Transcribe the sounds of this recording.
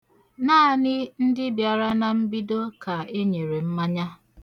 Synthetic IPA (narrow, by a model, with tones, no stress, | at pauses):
naː˦˨nɪ˦n̩˦dɪ˦bja˨ɾa˦na˨m̩˦bi˦do˦ka˨e˦ɲe˨ɾe˨m̩˦ma˦ɲa˦